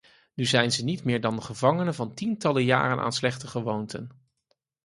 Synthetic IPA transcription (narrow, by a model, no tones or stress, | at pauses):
nyzɛjnzənitmɪːɹdɑndəχəvɑŋənəvɑntintɑləja̰ːrənʔa̰ːnslɛχtəχəʋowntə̰n